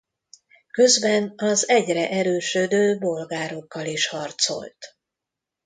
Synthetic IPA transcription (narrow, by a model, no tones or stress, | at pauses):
kø̞zbɛnɒzɛɟrɛʔɛɾøːʃød̪øːbo̞lɡaːɾo̞kːɒliʃhɒrt̪so̞̰lt̪